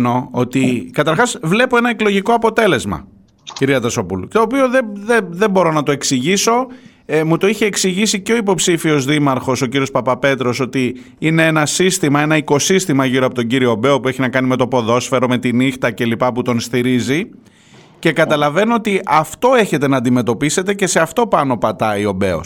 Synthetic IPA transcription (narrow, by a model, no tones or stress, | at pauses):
no̞ot̪ikɐt̪ɐɾxɐsvle̞po̞e̞nɐeklo̞ʝiko̞ɐpo̞t̪e̞le̞zmɐ̰ | ciɾiɐt̪ɐso̞pult̪o̞ːpio̞ðeðeðe̞mbo̞ɾo̞nɐt̪o̞e̞ksiʝiso̞ | mut̪o̞içe̞ːksiʝisiceo̞ipo̞psifio̞zðimɐɾxo̞so̞ciɾio̞spɐpɐpe̞t̪ɾo̞so̞t̪i | ine̞enɐsist̪imɐe̞nɐiko̞sist̪imɐʝiɾo̞ɐpot̪o̞ɲɟiɾioːbe̞o̞pue̞çinɐkɐnime̞t̪o̞po̞ðo̞sfe̞ɾo̞me̞t̪inixt̪ɐce̞lipɐput̪o̞nst̪iɾizi | ce̞kɐt̪ɐlɐve̞noot̪iʔɐft̪o̞e̞çe̞t̪e̞nɐːnd̪ime̞t̪o̞pise̞t̪e̞ce̞se̞ɐft̪o̞pɐno̞pɐt̪ɐio̞be̞̰o̞̰s